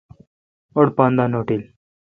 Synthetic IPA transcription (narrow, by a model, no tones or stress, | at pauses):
ɔɽpand̪anoʈiːl